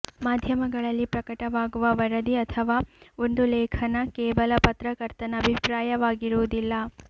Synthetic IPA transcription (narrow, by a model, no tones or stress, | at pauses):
maːd̪ʱjɐmɐɡɐɭɐlːipɾɐkɐʈɐʋaːɡuʋɐʋɐɾɐd̪iɐt̪ʰɐʋaːond̪ulɛːkʰɐnɐkɛːʋɐlɐpɐt̪ɾɐkɐɾt̪ɐnɐːbʱipɾaːjɐʋaːɡiɾuʋud̪ilːɐ